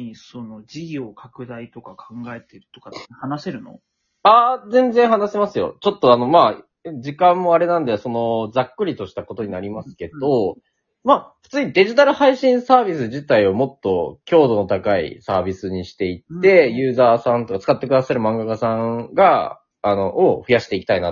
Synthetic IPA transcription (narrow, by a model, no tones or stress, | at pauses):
isono̞d͡ʑiɡʲiokʰakɯ̟d̪ait̪o̞kakʰãŋɡae̞t̪eɾɯ̟̥t̪okahanase̞ɾɯ̟no̞̰ | azẽ̞nd͡zẽ̞ɰ̃hanasemasɨjo̞̰t͡ɕo̞t̪ːo̞ano̞ma | d͡ʑikãmːo̞aɾe̞nãnd̪eso̞no̞d͡zakːɯ̟ɾʲit̪o̞ɕi̥t̪ako̞t̪o̞ɲ̟inaɾʲimasɨ̥ke̞d̪o̞ | maːɸɯ̟̥t͡sɨːɲ̟id̪e̞ʑit̪aɾɯ̟haiɕĩɰ̃saːbʲisɨʑit̪aio̞mo̞t̪ːo̞kʲʰo̞ːd̪o̞no̞t̪akaḭsaːbʲisɨɲ̟iɕi̥t̪e̞it̪ːe̞jɯ̟ːzaːsãnt̪o̞kat͡sɨ̥kat̪ːe̞kɯd̪asaɾɯ̟mãŋɡakasãŋɡaː | no̞ʔoɸɯ̟jaɕi̥t̪e̞ikʲi̥t̪ainat̪